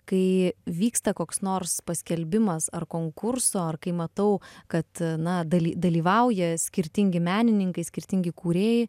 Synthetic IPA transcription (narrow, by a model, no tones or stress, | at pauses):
kɐɪʋʲiːkst̪ɐkoːksnoːrspɐsʲkʲɛlʲbʲɪmɐsɐrkoːŋkʊrsoːɐrkɐɪmɐt̪ɐʊkɐt̪nɐd̪ɐlʲiːd̪ɐlʲiːʋɐʊjɛsʲkʲɪɾʲt̪ʲɪŋʲɡʲɪmʲæːnʲɪnʲɪŋkɐɪsʲkʲɪɾʲt̪ʲɪŋʲɡʲɪkuːɾʲeːjɪ